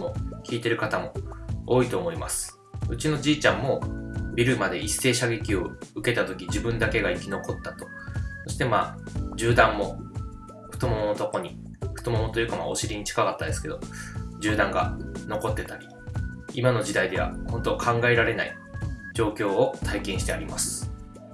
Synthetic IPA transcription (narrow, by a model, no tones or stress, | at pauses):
mo̞kʲiːt̪e̞ɾɯ̟kat̪amo̞oːit̪o̞ːmo̞imasɨ̥ | ɯ̟t͡ɕino̞d͡ʑiːt͡ɕãmːo̞bʲiɾɯ̟mad̪e̞isːe̞ːɕaɡe̞kʲio̞ɯ̟ke̞t̪at̪o̞kʲid͡ʑibɯ̟̃nd̪ake̞ɡaikʲino̞ko̞t̪ːat̪o̞̥ | so̞ɕi̥t̪e̞ma̰ːd͡ʑɨːd̪ãmːo̞ | ɸɯ̟̥t̪o̞monot̪o̞ko̞ɲ̟i | ɸɯ̟̥t̪o̞momot̪ojɯ̟kama̰o̞̰ɕiɾʲiɲ̟it͡ɕi̥kakat̪ːad̪e̞sɨ̥ke̞d̪o̞d͡ʑɨːd̪ãŋɡa̰no̞ko̞t̪ːe̞t̪aɾʲi | imano̞d͡ʑid̪aid̪e̞βa̰hõ̞nt̪o̞kʰãŋɡae̞ɾaɾe̞naḭ | d͡ʑo̞ːkʲo̞ːot̪ʰaikẽ̞ɰ̃ɕi̥t̪e̞a̰ɾʲimasɨ̥